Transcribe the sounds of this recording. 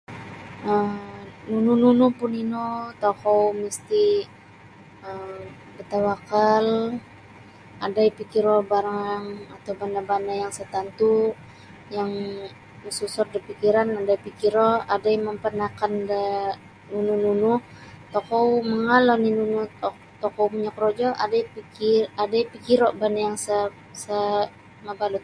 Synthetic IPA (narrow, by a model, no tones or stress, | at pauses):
əmnunununupʊninot̪okɔwməst̪i | əm | bət̪awakal | ʔadaipikiɾobaɾaŋaŋat̪awbandabandajaŋsət̪ant̪u | jaŋ | əsusɔrdipikiɾanadajpikiɾɔadajməmpənakandə | nunununuh | t̪ɔkowməŋalɔninunu | t̪ɔkowpuɲakɾod͡ʒɔa̰dajpikiadajpikiɾɔʔbandajaŋsa | sa | mabalut̪̚